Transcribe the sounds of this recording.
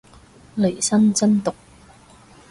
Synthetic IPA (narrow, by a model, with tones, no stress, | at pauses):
le˨˩jsɐ˥nt͡sɐ˥nt̪ʊ˨k̚